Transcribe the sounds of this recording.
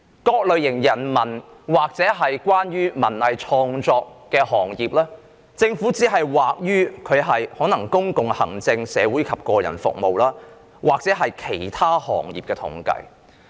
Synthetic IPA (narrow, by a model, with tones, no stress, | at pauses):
kɔː˧k̚lɵ˨˧ɥjɪ˨˩ŋjɐ˨˩nmɐ˨˩nwaː˨k̚t͡sɛː˨˥ɦɐ˨jkʷaː˥nɥyː˥mɐ˨˩nlɐ˨jt͡ʃʰɔː˧ŋt͡sɔː˧kːɛː˧hɔː˨˩ŋjiː˨˩p̚laː˥ | t͡sɪ˧ŋfuː˨˥t͡siː˨˥ɦɐ˨jwaː˨k̚jyː˥kʰɵ˨˧ɥɦɐ˨jhɔː˨˥nɐ˨˩ŋkʊ˥ŋkʊ˨ŋhɐ̰˨˩ŋt͡sɪ˧ŋsɛː˨˧wuː˨˥jkʰɐ˨p̚kɔː˧jɐ̰˨˩nfʊ̰˨k̚mo̰˨wlaː˥ | waː˨k̚t͡sɛː˨˥ɦɐ˨jkʰe˨˩jt̪ʰaː˥hɔ̰ː˨˩ŋjḭː˨p̚kɛː˧t̪ʰʊ̰˨˥ŋkɐ̰˧j